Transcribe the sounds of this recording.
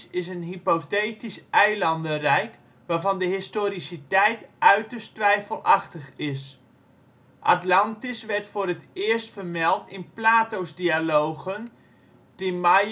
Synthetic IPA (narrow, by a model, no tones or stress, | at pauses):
ɪsənɦipoteːtisʔɛjlɑndərɛjk | ʋaːɹvɑndəɦɪstoːɾisitɛjtʔœɥtəstʋɛjfəlˠɑxtəχɪs | ʔa̰tlɑntisʋɛrtfoːɾətɪəstfərmɛlˠtɪnplaːtowzdialowɣən | d̥ima